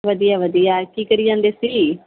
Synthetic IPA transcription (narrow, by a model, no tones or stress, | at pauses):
ʋəd̪ijaːʋəd̪ijaːkiːkəɾiːd͡ʒãːnd̪eːsiː